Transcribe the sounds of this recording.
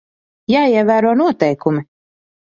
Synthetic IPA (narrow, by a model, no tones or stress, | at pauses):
jaːiɛvæːɾuɔnuɔt̪ɛjkumi